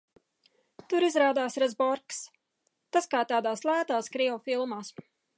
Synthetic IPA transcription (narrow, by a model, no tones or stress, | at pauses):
t̪uɾizɾaːd̪aːsɾazbɔɾks | t̪askaːt̪aːd̪aːslˠæːt̪aːskɾiɔfilˠmaːs